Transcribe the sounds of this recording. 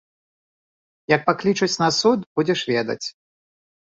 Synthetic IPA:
jɐk̚paklʲit͡ʂɐt͡sʲnɐsut̪bud͡zʲɛʂvʲɛd̪ɐ̰t͡sʲ

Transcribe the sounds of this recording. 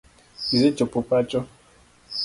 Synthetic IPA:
izet͡ʃopupat͡ʃɔ

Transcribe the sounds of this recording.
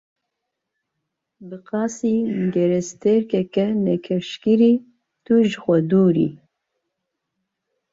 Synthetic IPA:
bɨqɑːsiːɡɛɾɛst̪ʰɛɾkɛkɛnɛkʰɛɾʃkiɾiː | t̪uʒxʷɛd̪uːɾḭː

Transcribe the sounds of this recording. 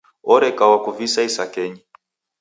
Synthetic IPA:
ɔɾɛkawakuvisaisakɛɲi

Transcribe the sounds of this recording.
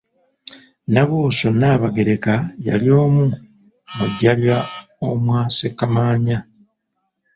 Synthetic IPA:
naβuːsonaːβaɡe̞ɾe̞kaja̰ljo̞ːmu | muɟːalja | omwaːsekːamaːɲa

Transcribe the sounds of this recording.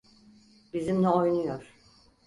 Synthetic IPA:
bizimnɛo̞jnujoɾ̥

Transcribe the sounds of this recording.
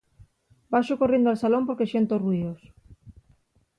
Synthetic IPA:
baʃʊkorend̪oalsalompoɾkeʃent̪oruiðos

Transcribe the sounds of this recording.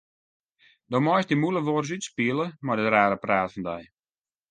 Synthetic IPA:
domɔjsdimulˠəʋors̬ytspiəlˠəmadətraːɾəpraːtfɔndɛj

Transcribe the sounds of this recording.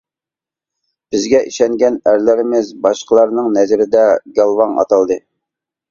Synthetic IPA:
b̥ɪzɡʲɛʔiʃɛŋɡʲɛnæɾlɪɾɪmɪzbɑʃqʰəlˠɑɾnɨŋnɛzɾɪd̪ɛɡɑlˠwɑŋɑ̰t̪ʰɑlˠd̪ɨ

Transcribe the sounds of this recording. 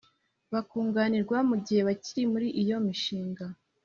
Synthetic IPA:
βakuːŋɡaniɾɡwamuɟihe̞βaciɾimuɾiʔijo̞miʃiːŋɡa

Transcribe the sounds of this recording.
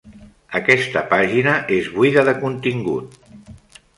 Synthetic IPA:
əkɛst̪əpaʒinəʔezβuiðəðəkunt̪iŋɡṵt̪̚

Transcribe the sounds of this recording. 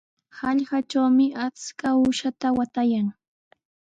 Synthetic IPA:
hɑʎɢat͡ʃawmɪʔat͡skaʊʃat̪awat̪ajaŋ

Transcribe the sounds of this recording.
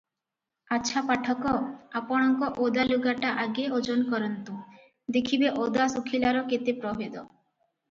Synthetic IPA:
aːʃʰapaʈʰɔkɔapɔɽ̃ɔŋkɔʔod̪aluɡaʈaʔaɡeod͡ʒonkɔɾɔnt̪ũ | d̪ekʰibeʔod̪asukʰilaɾɔket̪epɾɔɦed̪ɔ

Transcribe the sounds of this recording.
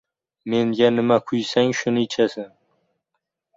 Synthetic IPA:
meŋɡʲanɪmakʰʊjsaŋʃʊnɪt͡ʃʰasɪ

